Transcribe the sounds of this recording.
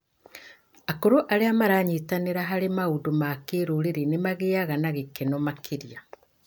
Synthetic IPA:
akoɾoʔaɾeamaɾaɲitaneɾaɦaɾemaudomaːkeɾoɾeɾenemaɣeaɣanaɣekenɔmakʰiɾja

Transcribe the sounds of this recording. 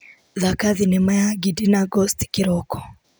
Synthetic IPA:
ðakaðinɛmajaɡidinaɡɔstkiɾɔkɔ̥

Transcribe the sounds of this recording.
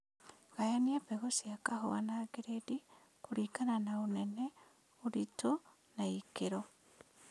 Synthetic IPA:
ɣ̥ajaniepɛɣosjakaho̰wa̰naːɡeɾedi | kuɾiːkananaonɛne | oɾito | naikeɾo

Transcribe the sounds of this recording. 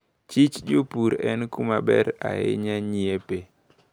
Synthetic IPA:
t͡ʃit͡ʃd͡ʒopuɾɛnkumabɛɾa̰ḛɲaɲiepe

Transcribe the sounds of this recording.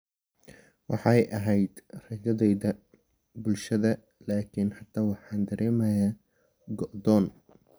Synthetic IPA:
wɑħɑjʔɐɦɛjd̪̥rɐd͡ʒɐðɛjðɐ | bʊlʃɐðɐ | laːkʰɪnħɑt̪ʰːaːwɑħɑːnd̪ɐɾʔɛːmɐjaː | ɡɔʔd̪ɔːn

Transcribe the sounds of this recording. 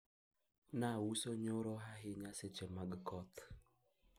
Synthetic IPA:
nawusoɲoɾoɦaɦɪɲaset͡ʃemaɡkʰɔt̪

